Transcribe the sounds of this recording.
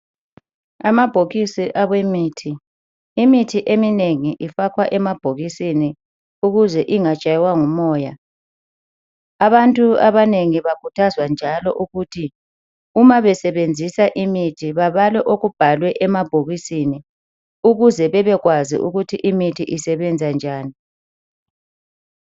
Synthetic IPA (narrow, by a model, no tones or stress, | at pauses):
amab̥ʱoɣisiʔaβwemiːtʰiː | mitʰiʔemineŋiʔifakʰwaʔɛmab̥ʱoɣisini | uɣuzɛʔiŋat͡ʃʼajwaŋumɔːja | aβantʼuaβaneŋiβaɡ̥ʱutʰazwand͡ʒʱalɔʔuɣuːtʰi | umaβɛsɛβend͡zʱisaʔimitʰiβaβalwɛʔoɣub̥ʱalwɛʔɛmab̥ʱoɣisini | uɣuzɛβɛβɛɣwazḭʔuɣutʰiʔimitʰiʔisɛβɛnd͡zʱand͡ʒʱaːni